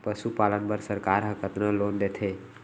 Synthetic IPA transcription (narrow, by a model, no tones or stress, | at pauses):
pəsupalənpəɾsəɾkaɾɦəkət̪nəlond̪et̪ʰe